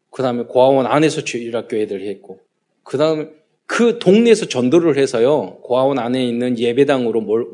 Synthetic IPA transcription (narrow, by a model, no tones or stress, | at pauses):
kɯdaɯmekoɦawʌnane̞sʰʌt͡ɕeiɾak̚k͈joɦedɯɭhe̞t̚k͈o | kɯdaɯme | kɯtoŋne̞sʰʌt͡ɕʌndoɾɯɭhesʰʌjokoɦawʌnane̞inːɯnje̞be̞daŋɯɾomʌɭ